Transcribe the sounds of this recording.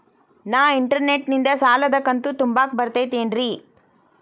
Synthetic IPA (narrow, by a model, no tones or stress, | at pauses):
naːʋiɳʈɐɾneʈnind̪ɐsaːlɐd̪ɐkɐnt̪ut̪umbaːk̚bɐɾt̪eːt̪eːɳɖɾi